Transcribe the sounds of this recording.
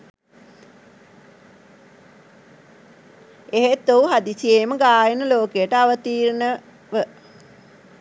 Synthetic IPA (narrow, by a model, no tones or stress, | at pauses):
eɦet̪ouɦad̪isijeməɡaːjenəloːkejəʈəaʋət̪iːɾnə | ʋə